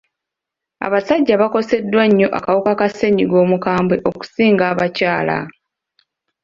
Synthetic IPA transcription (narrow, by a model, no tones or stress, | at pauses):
a̰βasaɟːaβako̞se̞dːwaɲːo̞ʔa̰kawukakase̞ɲiɡo̞ːmukaːmbwe̞ʔo̞ku̥siːŋɡaːβacaːla̰